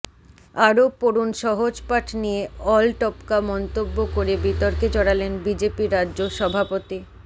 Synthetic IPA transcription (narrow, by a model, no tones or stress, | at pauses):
aɾopoɾunʃɔɦod͡ʑpaʈʰnijeɔlʈɔpkamɔnt̪obːokoɾebit̪ɔɾked͡ʑɔɽ̃alenbid͡ʑepiɾːadːʑoʃɔbʱapot̪i